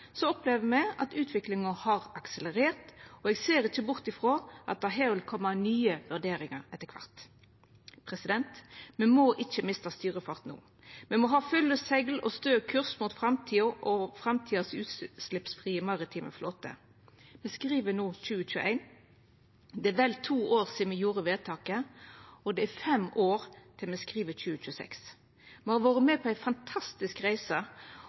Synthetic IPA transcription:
sɔɔpleːʋəmɛɑ̰t̪ʉːt̪ʰʋɪklɪŋəhɑʁɑksələʁeːʁt̪ɔɛɡseːʁɪçːəbʊʁt̪ɪfʁoːʔɑ̰t̪̚d̪ɛɦeːʋɪlkʰɔmːənyːəʋʉʁd̪eːɾɪŋəʁɛt̪ːəkʰʋɑ̰ʁt̪ | pʰʁɛsɪd̪ɛnt̪mɛnmoːʔɪçːəmɪst̪əst̪yːʁəfɑʁt̪nṵː | mɛmɔɦɑːfʏlːəsɛɡlɔ̰st̪øːkʰʉʁsmuːt̪fʁɑmt̪ʰiːəʔɔfʁɑmt̪ʰiːɑsʉːt̪slɪpsfʁiːəmɑʁɪt̪ʰiːmə̰floːt̪ʰə̰ | mɛskɾiːʋənuːc͡çʉːəc͡çʉːəʔæ̰ɪn | d̪ɛæʋɛlt̪ʰuːoːʁsiːd̪mɛjuːɾəʋeːt̪ʰɑːkəɔd̪ɛæɾfɛmoːɾt̪ʰɪlmɛskʁiːʋəc͡çʉːət͡ʃʉːəsɛ̰ks | mɛhɑʋɑːʁəmɛpʰɔæɪfɑnt̪ʰɑst̪ɪskʁæɪsə

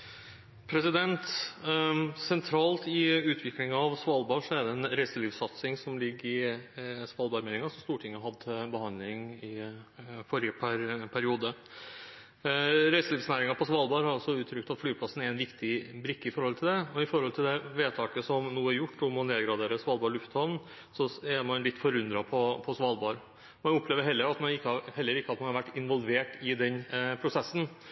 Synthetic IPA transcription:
pʰɾɛsɪd̪ɛnt̪ | sɛnt̪ʰɾɑːlt̪ɪʉːt̪ʰʋɪklɪŋɑʋsʋɑlbɑːʂɔæɖɛɛnɾɛɪsəliːʋsɑt̪sɪŋsɔmlɪɡːɪsʋɑlbɑːɾmɛeːnɪŋɑsɔst̪uːʈʰɪŋːəɦɑd̪bəhɑnlɪŋɪ | fɔɾɪəpʰɾpʰæɾɪuːd̪ə | ɾɛɪsəliːfsnæːɾɪŋɑpʰɔsʋɑlbɑːɾhɑɾɑlsɔʉːt̪ʰɾʏk̚t̪ɑt̪flyːpʰlɑsn̩ɛɾɛnʋɪkt̪ɪbɾɪkːɪfɔɾhɔlt̪ʰɪld̪ɛɔɪfɔɾhɔlt̪ʰɪld̪ɛʋeːt̪ʰɑːkəsɔmnuːəæɾjʊʈːɔmɔneːɡɾɑd̪eːɾəsʋɑːlbɑːɭʉft̪hɔʋn | sɔɛɾmɑnlɪt̪ːfɔɾʉnd̪ɾɑpʰɔpʰɔsʋɑːlbɑːɾ | mɑnʊpːleːʋəɾɦɛlːəɾɑt̪mɑnɪkːəɑhɛlːəɾɪkːəɑt̪mɑnhɑɾʋæʈːɪnʋɔlˠʋeːʈɪd̪ɛnpʰɾʊsɛsːn̩

